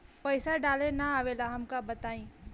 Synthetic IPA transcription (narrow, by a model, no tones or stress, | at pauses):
pəɪsaɖaːlenaaːʋeːlaɦɐmkabɐt̪aːĩː